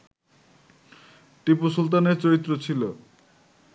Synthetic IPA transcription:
ʈipusult̪̬aneɾt͡ɕoɾit̪ːɾot͡ɕʰilo

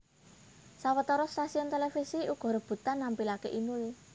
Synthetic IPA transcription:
sawət̪ɔɾɔst̪asiɔnt̪elefisiuɡ̥ɔ̤ɾɔb̥ṳt̪anːampilakḛʔinul

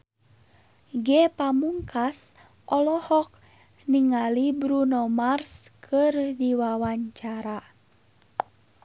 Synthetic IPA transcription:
ɡɛpamuŋkʰas | ʔɔlɔhɔk̚ | niŋalibɾunɔmarskʰɨrdiwawaɲt͡ʃaɾa

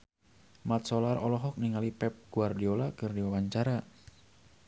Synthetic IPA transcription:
mat̪̚sɔlarɔlɔɦɔk̚niŋalipɛp̚ɡ̥uardiolakɨrdiwawaɲt͡ʃaɾa

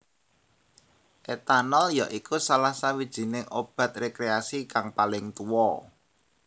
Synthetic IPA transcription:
ʔet̪anɔljaʔikusalahsawid̥ʒ̥i̤nɪŋʔob̥a̤t̪̚rekɾeasikaŋpalɪŋt̪uwɔ

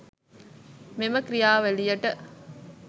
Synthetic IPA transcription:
meməkɾijaːʋælijɐʈə

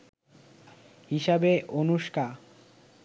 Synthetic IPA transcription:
ɦiʃabeʔonuʃka

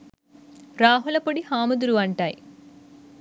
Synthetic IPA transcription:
ɾaːɦulɐpɐɽihaːmud̪uɾuɐɳʈaːji

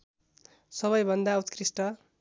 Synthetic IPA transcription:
sʌβʌjbʱʌnd̪aut̪krisʈʌ

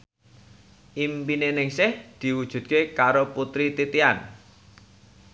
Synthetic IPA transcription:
ʔimpinenɪŋsɪhd̪̥i̤wud̥ʒ̥ṳd̪̚kekaɾoput̪ɾit̪it̪ian

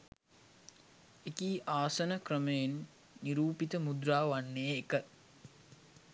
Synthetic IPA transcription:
ekiːʔaːsənəkrəməjenː | iɾuːpit̪əmud̪ɾaːʋanːeːkə

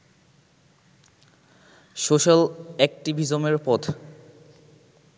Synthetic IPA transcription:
ʃoʃalɛk̚ʈibʱizomeɾpɔt̪ʰ

